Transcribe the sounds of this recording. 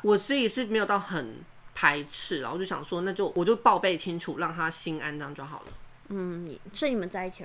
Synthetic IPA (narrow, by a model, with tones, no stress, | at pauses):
wɔ˨˩sɻ̩˧˥i˨˩ʂɻ̩˥˩me˧˥ɪo˨˩t̪ɑ˥˩ʊxə˨˩n | pʰa˧˥ɪʈ͡ʂʰɻ̩˥˩˨t͡ɕo˥˩ɕɑ̰˨˩ʂwɔ˥na˥˧t͡ɕjo˥˩ʊwʔɔ˨˩t͡ɕjo˥˧ʊpɑ˥˧ʊpe˥˩ɪt͡ɕʰi˥ŋʈ͡ʂʰu˨˩ɻɑ˥˩ŋt̪ʰa˦˥ɕi˦na˥nʈ͡ʂɑ˥ŋʈ͡ʂwa˥xɑ˨˩ʊlə̰˦ | n̩˥˩ḭ˨˩swɔ˧˥i˥˧ni˨˩mə˦nt͡sa˥˧ɪi˥˩t͡ɕʰi˨